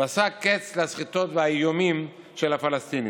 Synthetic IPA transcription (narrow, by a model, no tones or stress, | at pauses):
asaket͡sleasχit̪o̞t̪veajomim | ʃelhafalast̪ini